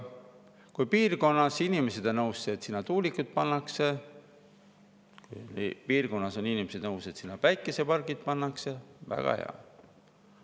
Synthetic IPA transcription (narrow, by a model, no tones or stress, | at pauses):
kujpiːrko̞nːɑsinimese̞d̪̥onɤwsːeːt̪ːsinːɑt̪uːlikːˑut̪̚pɑnːɑkse̞ | kujpiːrko̞nːɑso̞ninimese̞d̪nɤwse̞t̪sinːɑpæjkːˑese̞pɑrɡit̪̚pɑnːɑkse̞væ̰ɡ̥ɑ̰hḛɑ̰